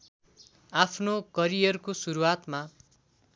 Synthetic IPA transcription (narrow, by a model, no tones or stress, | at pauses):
apʰnokʌɾijʌrkosuɾuwat̪ma